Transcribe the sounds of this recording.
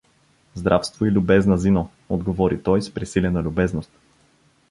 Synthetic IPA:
zd̪ɾʔafst̪voilʲʊbɛznɐzino | od̪ɡovɔɾit̪ɔjspɾisilʲɛnɐlʲʊbɛznost̪̚

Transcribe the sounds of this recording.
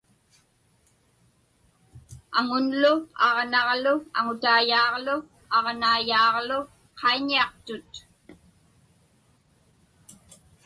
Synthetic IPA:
aŋʊnlʊɑʁnɑʁlʊa̰ŋʊt̪aːjɑːʁlʊ | ɑʁnaːjɑːʁlʊ | qʰɑiɲiɑqt̪ʊt̪

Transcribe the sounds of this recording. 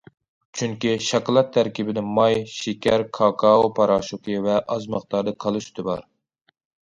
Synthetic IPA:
t͡ʃʰyŋkʲiʃɑklˠɑt̪ʰːæɾkʲibɪd̪ɪmɑjʃikʲæɾkʰɑkʰɑopʰɑɾɑʃukʰivɛʔɑzmɑχt̪ɑɾd̪ɨkʰɑlˠɨʃy̥t̪ʰɨbɑ̰ɾ

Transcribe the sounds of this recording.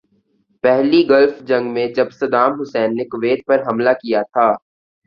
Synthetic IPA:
pɛɦliɡɐlfd͡ʒɐ̃ŋɡmẽd͡ʒɐbsɐd̪aːmɦʊsɛːnːekʊʋeːd̪̚pɐɾɦɐmlakijat̪ʰaː

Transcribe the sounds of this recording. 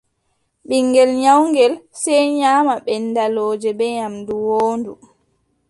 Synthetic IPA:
ɓiŋːɡɛlɲawŋɡɛlsɛjɲaːmaɓɛnːdaloːd͡ʒɛbɛɲamduwoːndu

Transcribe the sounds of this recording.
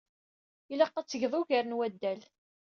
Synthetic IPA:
ilɑqːæt͡sːəʝðˤuʝæɾənwæd̪ːæl

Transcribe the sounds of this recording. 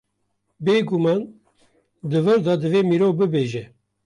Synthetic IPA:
beːɡumɑːn | d̪ɨvɨɾd̪ɑd̪ɨveːmiːɾoːvbɨbeːʒɛ

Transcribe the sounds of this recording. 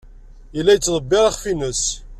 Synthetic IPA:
jəlːæjət͡sːðˤəbːɪɾɑχfinəs

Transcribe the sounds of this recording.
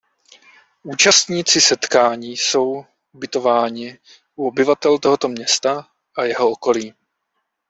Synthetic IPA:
ʔuːt͡ʃast̪ɲiːt͡sɪsɛt̪kaːɲiːso̞w | ubɪt̪o̞vaːɲɪ | ʔuobɪvat̪ɛlt̪o̞ɦot̪o̞mɲɛst̪a | ʔajɛɦo̞oko̞liː

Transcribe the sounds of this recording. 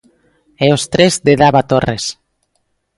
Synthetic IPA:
eost̪ɾezd̪eðaβat̪ores

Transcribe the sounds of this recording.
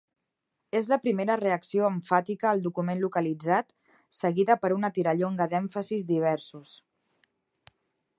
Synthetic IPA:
ezləpɾimeɾəreəksioəɱfat̪ikəːlˠd̪ukumenlukəlid͡zat̪ | səɣiðəpəɾunət̪iɾəʎoŋɡəðɛɱfəzizd̪iβ̞ɛɾsus

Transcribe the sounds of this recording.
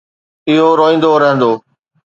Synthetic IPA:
ɪɦoɾoːĩːn̆d̪oɾɐɦə̃nd̪oː

